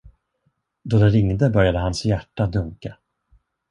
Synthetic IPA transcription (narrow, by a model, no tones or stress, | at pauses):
d̪od̪ɛɾɪŋd̪əbœɾjad̪əɦansjæʈːad̪ɵŋka